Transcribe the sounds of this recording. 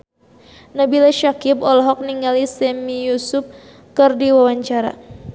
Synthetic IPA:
nabilaʃakɪpɔlɔɦɔk̚niŋɡalisɛmijusʊp̚ | kɨrdiwawaɲt͡ʃaɾa̰

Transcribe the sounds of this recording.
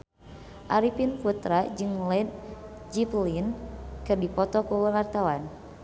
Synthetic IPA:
ʔaɾipinfut̪ɾad͡ʒɨŋlɛd̪̚ | d͡ʒiplinkɨrdipɔt̪ɔkuwəwart̪awan

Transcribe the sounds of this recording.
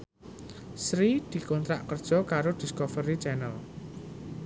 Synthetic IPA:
sɾid̪̥i̤kɔnt̪ɾaʔkərd̥ʒ̥ɔ̤kaɾod̪̥i̤skofəɾit͡ʃɛnəl

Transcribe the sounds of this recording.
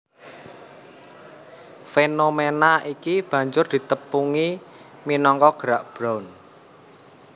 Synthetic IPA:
fenomenaikib̥ä̤ɲd͡ʒʊrd̪̥i̤t̪əpuŋi | minɔŋkɔɡ̥əɾaʔb̥ɾawn

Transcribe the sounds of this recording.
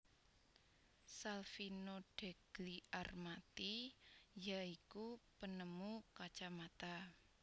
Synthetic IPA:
salfinoɖ̥e̤ɡ̥liʔarmat̪ijaikupənəmukat͡ʃamat̪a

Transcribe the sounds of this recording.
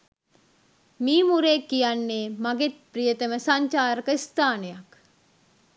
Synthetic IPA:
miːmuɾeːkːijanːeːmaɡet̪̚prijət̪əməsaɲt͡ʃaːɾəkəist̪aːnejak

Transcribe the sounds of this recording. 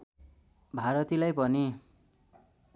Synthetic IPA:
bʱaɾʌt̪ilajpʌni

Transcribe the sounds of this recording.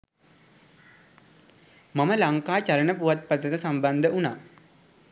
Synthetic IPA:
maməlaŋkaːt͡ɕalənəpuʋat̪̚pət̪ət̪əsamband̪əuna̰ː

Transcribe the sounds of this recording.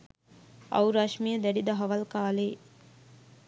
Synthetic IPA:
ɐ̰wɾaʃmijəd̪æɖid̪ɐɦɐʋɐlkaːleː

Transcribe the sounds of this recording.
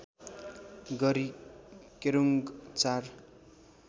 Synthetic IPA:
ɡʌɾikeɾuŋɡt͡sar

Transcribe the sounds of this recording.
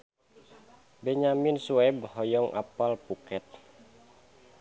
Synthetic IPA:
bɛɲaminsuɛbhɔjɔŋʔa̰palpukɛt̪̚

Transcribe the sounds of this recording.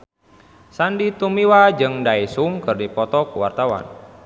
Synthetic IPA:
sandit̪umiwad͡ʒɨŋdaisuŋkɨrdipɔt̪ɔkuwa̰rt̪awa̰n

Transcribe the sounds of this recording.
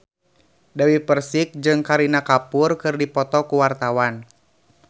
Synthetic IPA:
dawipərsik̚d͡ʒɨŋkaɾinakapʊrkɨrdipɔt̪ɔkuwart̪awan

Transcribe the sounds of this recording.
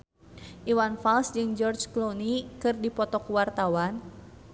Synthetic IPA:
ʔiwanfalsd͡ʒɨŋd͡ʒɔrd͡ʒklonikɨrdipɔt̪ɔkuwart̪awan

